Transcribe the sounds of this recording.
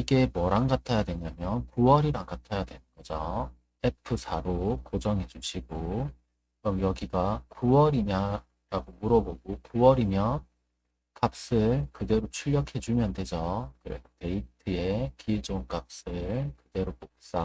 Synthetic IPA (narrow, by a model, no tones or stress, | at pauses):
iɡe̞mwʌɾaŋɡatʰajadwe̞ɲamjʌnkuwʌɾiɾaŋkatʰajadwe̞nɯnɡʌd͡ʑo | epʰɯsʰaɾokod͡ʑʌŋɦe̞d͡ʑuɕʰiɡo | ʌmjʌɡiɡakuwʌɾiɲa | ɾaɡomuɾʌboɡokuwʌɾimjʌn | kap̚s͈ɯɭkɯde̞ɾot͡ɕʰuʎːjʌkʰe̞d͡ʑumjʌndwed͡ʑokɯɾete̞itʰɯe̞kid͡ʑoŋkap̚s͈ɯɭkɯde̞ɾopok̚s͈a